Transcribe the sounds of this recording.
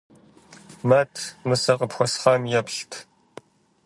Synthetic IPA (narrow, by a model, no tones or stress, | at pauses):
matʰmɨsɐqəpxʷɔsχɑːmjɛpɬtʰ